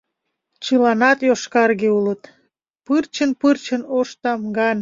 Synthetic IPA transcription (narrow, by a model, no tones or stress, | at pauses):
t͡ɕəlɑnɑt̪joʃkɑrɣeulət̪ | pɨrt͡ɕənpɨrt͡ɕənoʃt̪ɑmɡɑn